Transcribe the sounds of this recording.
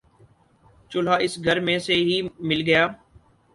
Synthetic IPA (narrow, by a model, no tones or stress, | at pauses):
t͡ʃʊl̤aːɪsɡʱəɾmẽseɦiːmɪlɡɐjaː